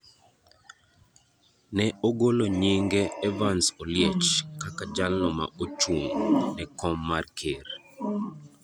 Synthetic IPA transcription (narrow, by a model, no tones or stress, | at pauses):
nɛoɡoloɲeŋɡeɛvansoljɛt͡ʃkakad͡ʒalnɔma̰ot͡ʃuŋnɛkɔmːarkʰeɾ